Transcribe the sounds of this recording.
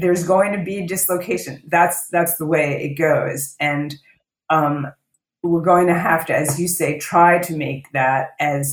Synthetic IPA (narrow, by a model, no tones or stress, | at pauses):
ðə˞zɡoʊɪ̃ŋtʰɨbidɨsloʊkʰeɪʃɨ̃nðætsðætsðəweɪɪ̰t̚ɡ̥oʊzɨ̃n | ʌ̃m | wɪɹɡoʊɪ̃ŋtʰɨɦæftɨɨzjɨseɪtʰɹ̥aɪɾɨmeɪk̚ðæɾɨz